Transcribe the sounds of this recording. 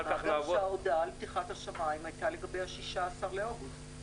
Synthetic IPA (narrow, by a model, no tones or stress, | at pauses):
aaʃeaodalbtiχathaʃamaimajtale̞ɡabe̞jhaʃiʃaːsaʁleoʁuz